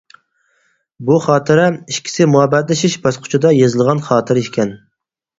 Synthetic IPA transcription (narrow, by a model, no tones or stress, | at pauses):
buχɑːt̪ʰɨɾɛiʃkʲʰi̥sɪmuɑbɛt̪lɪʃɪʃbɑsqʰʊ̥t͡ʃʰud̪ɑjezɨlˠʁɑnχɑːt̪ʰɨɾiʃkʲɛn